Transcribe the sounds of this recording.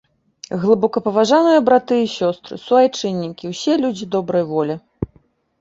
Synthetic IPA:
ɣlˠɨbɔkɐpɐvaʐanɨjɐbɾat̪ɨisʲɔst̪ɾɨ̰suajt͡ʂɨnʲːikʲiwsʲɛlʲud͡zʲid̪ɔbɾɐjvɔlʲi

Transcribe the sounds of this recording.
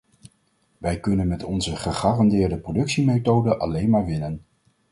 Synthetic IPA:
ʋɛjkɵnənmɛtɔnzəχəχaːrɑndɪːɹdəprowdɵksimejtowdəʔɑ̰lejnmaːɹʋɪnən

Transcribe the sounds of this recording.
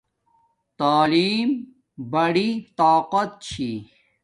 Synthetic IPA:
t̪aːliːm | bɐɽit̪aːqɐt̪̚t͡ɕʰi

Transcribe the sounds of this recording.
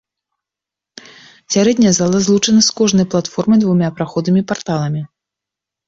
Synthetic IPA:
sʲaɾɛd̪ʲnʲɛjɛzalˠɐzlˠut͡ʂɐnɐskɔʐnɐjplˠat̪fɔrmɨjd̪vumʲapɾaxɔd̪ɨmʲipart̪alˠɐmʲi

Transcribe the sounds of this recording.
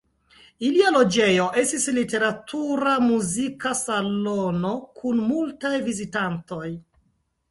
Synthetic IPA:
ilialo̞d͡ʒe̞jo̞ʔe̞stislite̞ɾatʰuɾamuzikasalono̞kʰunmultajvizitanto̞j

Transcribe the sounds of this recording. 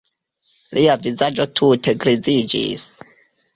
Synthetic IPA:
liavizad͡ʒotʰutʰeɡɾizid͡ʒḭs

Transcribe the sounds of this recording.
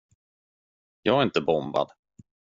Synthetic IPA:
jɑːɡɛɾɪnt̪əbɔmba̰d̪

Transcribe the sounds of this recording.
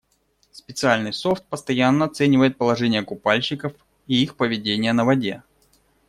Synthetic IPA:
spʲɪt̪sɨalʲnɨjso̞ft̪̚pəst̪ɐjanːəɐt̪sɛnʲɪvəjɪt̪̚pəlˠɐʐɛnʲɪjəkʊpalʲɕɪkəf | iixpəvʲɪdʲenʲɪjənəvɐdʲe

